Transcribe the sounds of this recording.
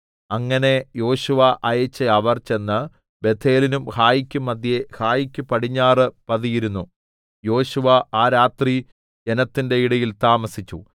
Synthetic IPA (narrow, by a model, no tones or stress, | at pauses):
ɐŋːɐne̞jo̞ːɕuʋɐʔɐjet͡ɕːɐɐʋɐrt͡ɕe̞nːɨ | be̞t̪ʰːe̞ːlinumhaːjikʲːumːɐd̪jehaːjikʲːupɐɽiɲːaːrɨpɐðijiɾunːu | jo̞ːɕuʋɐaːɾaːt̪ri | d͡ʑe̞nɐt̪ːinde̞iɽɐjilt̪aːmɐsit͡ɕːu